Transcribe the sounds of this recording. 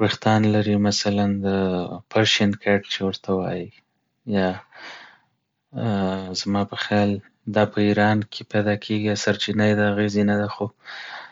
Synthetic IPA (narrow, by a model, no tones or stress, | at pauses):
ɾixt̪ɑnlaɾimasaland̪əpʰaɾʃankʰaʈt͡ʃewəɾt̪awɑ̰ji | jɑ | zmɑpəxjɑl | d̪ɑpəiɾɑnkʰepajd̪ɑkʰeɡijasaɾt͡ʃinajd̪əaɣezinad̪axo